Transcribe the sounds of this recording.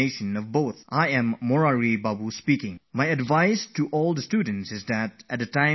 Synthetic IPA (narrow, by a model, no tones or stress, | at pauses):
eɪʃə̃nɔvboʊθʔaɪɨ̃mːɔɹaɹibabuspikɪ̃ŋmaɪɨdvaɪstuʔɔlˠd̪əstud̃ⁿn̩tsɨzðætæt̚dɨtãɪ̃